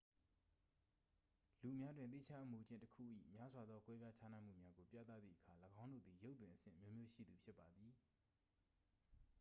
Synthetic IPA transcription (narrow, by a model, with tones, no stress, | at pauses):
lu˨mja˦dwɪ̃˨nt̪ḭ˦˨t͡ɕʰa˦ʔmu˨d͡ʑɪ̃˦˨ntəkʰṵ˦˨ʔḭ˦˨mja˦zwa˨d̪ðɔ˦kwɛ˦bja˦t͡ɕʰa˦nã˦˨m̥ṵ˦˨mja˦ɡo˨pja̰˦˨t̪a̰˦˨d̪ðḭ˦˨ʔəkʰa˨ləɡã˦ʊ̃ndo̰˦˨d̪ði˨jo˦t̪̬ːwɪ̃˨ʔəsɪ̰̃˦˨ʔəmjo˦mjo˦ʃḭ˦˨d̪u˨pʰjɪ˦pːa˨d̪ði˨